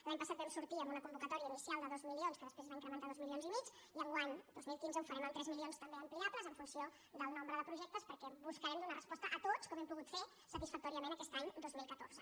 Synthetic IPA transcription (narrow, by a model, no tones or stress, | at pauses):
laɲpəsat̪bɛmsuɾt̪iəmbunəkumbukət̪ɔɾiəinisialˠd̪əðɔzmilionskəðəspɾezβaiŋkɾəmənt̪aðɔzmilionzimit͡ʃiəŋɡwaɲd̪ozmilˠkinzəufəɾɛmənt̪ɾɛzmilionst̪əmbeəmpliapləzəɱfunsio | d̪əlˠnombɾəðəpɾuʒɛk̚t̪əspəɾkɛβuskəɾɛmd̪unərəspɔst̪əʔət̪ot͡skɔmɛmpuɣut̪fe | sət̪isfək̚t̪ɔɾiəmẽnəkɛst̪aɲd̪ozmilˠkət̪o̰ɾzə